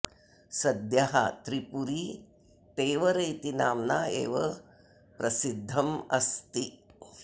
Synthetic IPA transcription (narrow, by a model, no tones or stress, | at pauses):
sɐd̪jɐɦɐ̰t̪ɾipuɾi | t̪eːʋɐɾɐjt̪inaːmnaːḛːʋɐ | pɾɐsid̪ʱːɐmɐ̰st̪i